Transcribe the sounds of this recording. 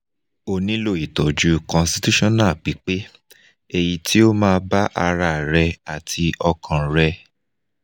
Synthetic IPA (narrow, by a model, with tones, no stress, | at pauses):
o˨nĩ˦lo˦˨i˨tɔ˨d͡ʒu˨˦kɔ̃˧nsti˧tu˦ʃɔ̃˦˨nã˦˨k͡pi˨˦k͡pe˦ | e˧ji˧tʰi˦o˦mãː˧ba˦ʔa˧ɾa˧˨ɾɛ˧a˨tʰi˧ɔ˧kʰã˨ɾɛ˧